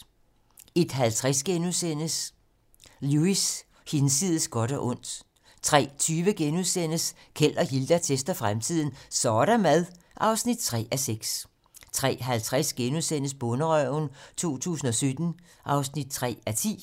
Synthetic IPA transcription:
e̝d̥ɦælt͡sʰʁasɡ̥enuðˠsen̰əs | luis | hensiðˠəsɡ̥ɒ̽ɾ̥ɒʔɔ̽n̰d̥ | t͡sʰʁɛ̰ːt͡sʰyːʋəɡ̥enuðˠsen̰əs | kʰel̰ɒ̽hild̥æt͡sʰesd̥ɐfʁamt͡sʰið̞̰ˠn̩sɒːɾ̥æmæð̞ˠ | ʔɑ̈ʊsnid̥̚t͡sʰʁɛ̰ːæseɡ̥s | t͡sʰʁɛ̰ːɦælt͡sʰʁasɡ̥enuðˠsen̰əsb̥ɔ̽nəʁœʊnt͡sʰo̝̰ːt͡sʰṵːsn̩ɒ̽sød̥n̩ | ʔɑ̈ʊsnid̥̚t͡sʰʁɛ̰ːæt͡sʰḭː

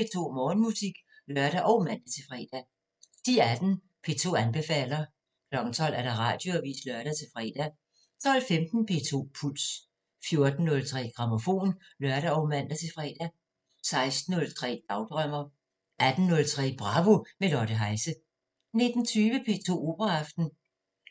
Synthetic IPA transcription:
pʰe̝t͡sʰo̝̰ːmɒːnmusiɡ̥ | lœɶɐɾ̥æʔɒʊmæn̰d̥æt͡sʰe̝fʁɛ̰ːd̥æ | d̥iæd̥n̩ | pʰe̝̰t͡sʰo̝̰ːænb̥e̝fɛ̰ːlɐ | kʰlɒ̽ɡ̥n̩t͡sʰɒ̽l̰æɐɾ̥ɑ̈ʁɑ̰̈ːd̥jo̝ʋḭːslœɐɾ̥æt͡sʰe̝fʁɛ̰ːd̥æ | t͡sʰɒ̽l̰femd̥n̩pʰe̝̰ːt͡sʰo̝̰ːpʰuls | fjo̝ɐd̥n̩ːɔ̽lt͡sʰʁɛ̰ːɡ̥ʁɑ̈mo̝fo̝̰ːn | lœɐɾæɒʊmæn̰d̥æt͡sʰe̝fʁɛ̰ːd̥æ | sɑ̈ɪsd̥n̩ɔ̽lt͡sʰʁɛ̰ːd̥ɑ̈ʊd̥ʁœm̰ɐ | ʔæd̥n̩ːɔ̽lt͡sʰʁɛ̰ːb̥ʁɑ̈ʋomelɒɾ̥əɦɑ̈ɪsə | ne̝d̥n̩t͡sʰyːʋəpʰe̝̰ːt͡sʰo̝̰ːo̝̰ːb̥ʁɐɑfd̥n̩

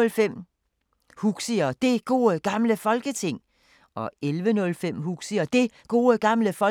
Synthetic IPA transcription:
lfem̰ | huɡ̥siɐd̥e̝ɡ̥o̝̰ːəɡ̥ɑ̈mləfɒ̽lɡ̥ət͡sʰe̝ŋ̰ | ɒ̽elʋənɔ̽lfem̰huɡ̥siɐd̥e̝ɡ̥o̝̰ːəɡ̥ɑ̈mləfɒ̽

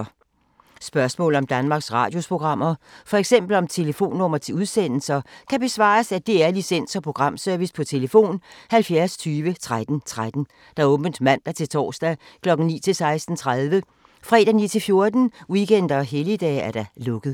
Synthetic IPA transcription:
sb̥ɶɐsmɔ̰̽ːlɒ̽md̥ænmɑ̈ɡ̥sʁɑ̈ːd̥jo̝spʰʁo̝ɡ̥ʁɑ̈m̰ɐfɒ̽eɡ̥sem̰b̥l̩ɒ̽mt͡sʰe̝ləfo̝̰ːnːɔmɐt͡sʰe̝uð̞ˠsen̰l̩sɐkʰæb̥e̝sʋɑ̰̈ːsæd̥e̝æɐlisen̰sɒ̽pʰʁo̝ɡ̥ʁɑ̈m̰sœɐʋispʰɒ̽t͡sʰe̝ləfo̝̰ːnhælfjæɐst͡sʰyːʋət͡sʰʁad̥n̩t͡sʰʁad̥n̩ | d̥ɑ̈ɔ̽ːb̥ən̩d̥mæn̰d̥æt͡sʰe̝lt͡sʰɒ̰ːsd̥æ | kʰlɒ̽ɡ̥n̩nḭːt͡sʰe̝lsɑ̈ɪsd̥n̩t͡sʰʁaðˠʋə | fʁɛ̰ːd̥æniːt͡sʰe̝lfjo̝ɐd̥n̩wiken̰d̥ɐɒɦelid̥ɛ̰ːæɐɾ̥ɑ̈lɔ̽ɡ̥əð̩ˠ

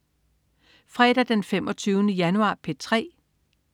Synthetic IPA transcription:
fʁɛd̥æd̥enfemɒ̽t͡sʰyːʊnəjænuɑ̰̈ːpʰe̝t͡sʰʁɛ̰ː

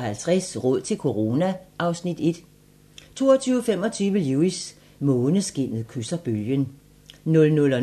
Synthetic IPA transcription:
hælt͡sʰʁɛsʁɔ̽ð̞̰ˠt͡sʰe̝lkʰo̝ʁo̝ːnæʔɑ̈ʊsnid̥e̝d̥ | t͡sʰo̝̰ːɐt͡sʰyːʊfem̰ɒ̽t͡sʰyːʋəluːis | mɔ̽ːnəsɡ̥e̝n̰ð̩ˠkʰysɐb̥øljən | nɔ̽lnɔ̽lɒ

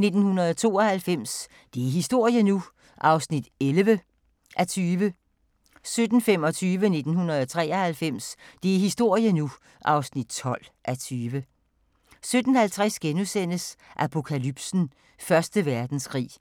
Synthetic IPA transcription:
ne̝d̥n̩hunɐðˠɒt͡sʰo̝̰ːɒ̽hælfem̰s | d̥e̝æɐɦisd̥o̝ɐ̰jənu | ʔɑ̈ʊsnid̥elʋə | ʔæt͡sʰyːʋə | sød̥n̩fem̰ɒ̽t͡sʰyːʋəne̝d̥n̩hunɐð̞ˠɒt͡sʰʁɛ̰ːɐhælfem̰sd̥e̝æɐɦisd̥o̝ɐ̰jənu | ʔɑ̈ʊsnid̥̚t͡sʰɒ̽l̰ʔæt͡sʰyːʋə | sød̥n̩hælt͡sʰʁasɡ̥enusen̰əsʔæpʰo̝kʰælyb̥sn̩ | fɶɐsd̥əʋæɐd̥n̩skʰʁḭː

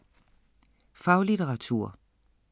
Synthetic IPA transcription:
fɑ̈ʊlit͡seʁɑ̈t͡sʰuɐ̰

